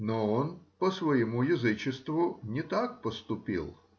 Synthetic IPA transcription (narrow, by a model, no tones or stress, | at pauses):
nɔɔnpɐsʋɐjɪmujɐzɪt͡ʃɪst̪vʊnʲɪt̪ak̚pɔst̪ʊpʲḭlˠ